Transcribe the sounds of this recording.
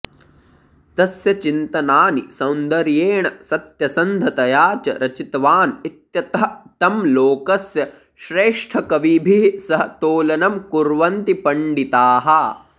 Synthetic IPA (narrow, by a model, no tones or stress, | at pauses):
t̪ɐsjɐt͡ʃint̪ɐnaːnisɐwnd̪ɐɾjeːɳɐsɐt̪jɐsɐnd̪ʱɐt̪ɐjaːt͡ʃɐ̰ɾɐt͡ʃit̪ɐʋaːnit̪jɐt̪ɐɦɐt̪ɐmloːkɐsjɐ | ʃɾeːʂʈʰɐkɐʋibʱisɐɦɐt̪oːlɐnɐmkuɾʋɐnt̪ipɐɳɖit̪aːɦɐ